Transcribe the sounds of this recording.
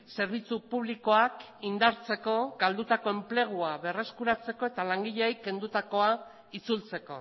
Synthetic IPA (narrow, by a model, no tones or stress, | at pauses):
se̞ɾβ̞it͡supuβ̞liko̞ak | ind̪aɾt͡se̞ko̞ɡald̪ut̪ako̞e̞mple̞ɣ̞uaβe̞re̞skuɾat͡se̞ko̞e̞t̪alaŋɡiʎejke̞nd̪ut̪ako̞a | it͡sult͡se̞ko̞̰